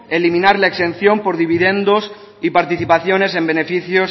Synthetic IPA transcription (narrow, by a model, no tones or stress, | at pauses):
elimĩnaɾlaekse̞nθjo̞mpo̞ɾðiβ̞iðe̞nd̪os | ipaɾt̪iθipaθjo̞ne̞se̞mbe̞ne̞fiθjos